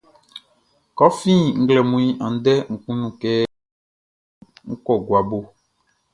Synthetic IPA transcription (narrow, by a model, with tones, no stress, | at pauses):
kɔ˦fĩ˦ŋ̩˦ɡlɛ˨mũ˨i˦ʔã˨n̩˦dɛ˦ŋ̩˨kũ˦nũ˨kɛ˦ | ŋ̩˦kɔ˨ɡwa˨bo˦